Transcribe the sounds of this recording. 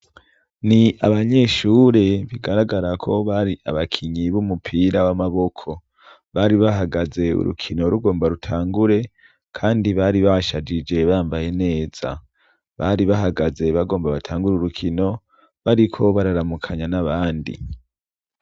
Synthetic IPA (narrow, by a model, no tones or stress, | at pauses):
niaβaɲe̞ːʃuːɾe̞βiɡaɾaɡaɾakʰo̞βaɾiaβakʰiɲiβumupʰiɾawamaβo̞kʰo̞ | βaɾiβaɦaɡaze̞ṵɾṵkʰinoɾuɡo̞ːmbaɾutʰaːŋɡuɾe̞ | kʰaːndiβaɾiβaʃad͡ʒid͡ʒe̞βaːmbaje̞ne̞ːz̥a̰ | βaɾiβaɦaɡaze̞βaɡo̞ːmbaβatʰaːŋɡuɾuɾukʰino̞ | βaɾikʰo̞βaɾaɾamukʰaɲanaβaːndḭ